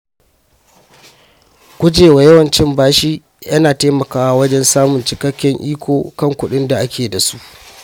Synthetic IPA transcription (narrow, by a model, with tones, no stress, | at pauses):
kʷʊ˦d͡ʒeː˨wa˨jɐ˦wɐ˨nt͡ʃɪ˦mbaː˦ʃiː˦ | jɐ˦naː˨taː˦mɐ˨kaː˦wa˦wɐ˦d͡ʒɛ˦nsaː˦mʊ˨nt͡ʃɪ˨kɐ˦kʲːɛ˦ŋʔiː˦kʷoː˨kɐ˦˨ŋkʷʊ˨ɗɪ˦nda˨ʔa˦kʲeː˨da˨su˦ʔ